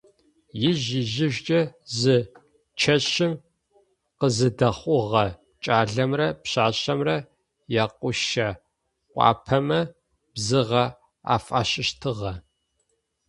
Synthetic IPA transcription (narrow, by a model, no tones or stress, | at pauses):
jɪʑɪʑɪʒʷt͡ʃʼɐzɨ | t͡ʃʰɐɕɪm | qəzɨdɐχʷʊʁɐ | t͡ʃʼaːɮɐmrɐpɕaːɕʼɐmrɐ | jaːqʷʊʃɐ | qʷʼɑ̰ːpʰɐmɐ | b̥zɨʁɐ | a̰ːfʼa̰ːɕʼɪʃtʰɨʁɐ